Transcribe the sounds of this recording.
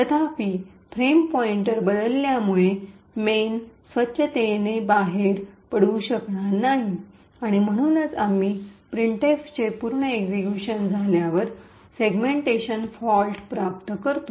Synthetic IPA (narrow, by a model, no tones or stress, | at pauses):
t̪ət̪ʰafiː | pʰɾempɔiɳʈəɾbəd̪əlːjamuɭe | mensʋətːɕʰət̪enebaɦeɾpəɽ̤ũɕəkɳanaɦi | aɽ̃im̤əɽ̃uːnəd͡zamiːpɾiɳʈeft͡ɕepuɾɳəeɡzekjuɕənd͡zʱaljaʋəɾ | seɡmeɳʈeɕənfɔlʈpɾap̚t̪kəɾt̪u